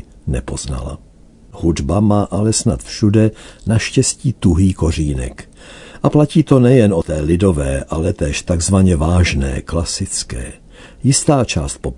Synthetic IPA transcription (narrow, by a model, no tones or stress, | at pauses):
nɛpo̞zna̰la̰ | hudbamaːʔalɛsna̰t̪fʃudɛnaʃcɛsciːt̪uɦiːko̞r̝iːnɛ̰k | ʔaplaciːt̪o̞nɛjɛnot̪ɛːlɪdo̞vɛːʔalɛt̪ɛːʃt̪aɡzvaɲɛvaːʒnɛ̰ːklasɪt͡skɛ̰ː | jɪst̪aːt͡ʃa̰ːst̪̚pop